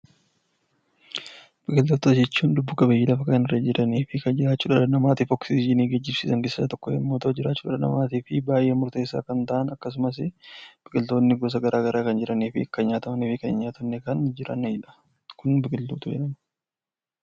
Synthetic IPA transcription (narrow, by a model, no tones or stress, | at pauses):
b̥ɪkɪlt̪uːt̪ʊd͡ʒɛt͡ʃːuːnd̪ʊbːʊkɐbɐjɪːlɐfɐkɐnɪrːɐd͡ʒɪɾɐniːfɪkɐnd͡ʒɪɾaːt͡ʃːuːᶑɐᶑɐnɐmaːt̪iːfɔksiːd͡ʒɪniːɡɐd͡ʒːɪbsiːsɐŋɡɪssɐt̪ɔkːɔɛ̰mːoːt̪od͡ʒɪɾaːt͡ʃːuːᶑɐᶑɐnɐ̰maːt̪iːfɪbaːjʔeːmʊɾt̪e̞ːsːa̰ːkɐnt̪ɐʔɐnɐkːɐs̬ʊmɐs̬ɪb̥ɪkʼɪlt̪o̞ːnːɪɡɔs̬ɐɡɐɾʔaːɡɐɾaːkɐnd͡ʒɪɾɐniːfɪkːɐɲaːt̪ɐmɐniːfɪkɐnɪɲaːt̪ʰɐmnːɛkɐnd͡ʒɪɾɐ̰nd͡ʒᶑɐ̥ | kʊnbɪkʼɪlt̪uːt̪ʊd͡ʒɛ̰ᶑɐn